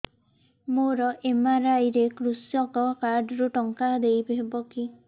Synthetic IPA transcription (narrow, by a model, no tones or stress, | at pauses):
moɾɔʔemaɾajɾekɾusjɔkɔkaɾɖɔɾuʈɔŋkad̪ejbʱebɔki